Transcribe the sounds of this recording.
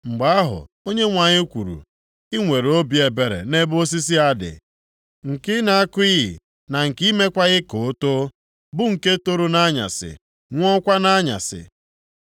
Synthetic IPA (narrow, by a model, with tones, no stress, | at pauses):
ŋ͡m̩˨ɡ͡ba˨a˦ɦʊ̰˨ | o˦ɲe˦ŋʷa˨ɲɪ˦kʷu˨ɾṵ˨ | ɪ˦ŋʷe˨ɾo˦bi˨e˨be˨ɾḛ˨ne˦bo˦s̬i˦s̬i˦a˦dɪ̰˨ | ŋ̩˨kɪ˦na˦a˦kʊ˦i˦ɦɪ̰˨ | na˨ŋ̩˨ki˦me˦kʷa˦ɣɪ˦ko˨˦to˦ | bʊ˦ŋ̩˨ke˦to˦ɾo˦na˦ɲa̰˨sɪ̰˨ | ŋʷɔ˦kʷa˦na˦ɲa̰˨sɪ̰˨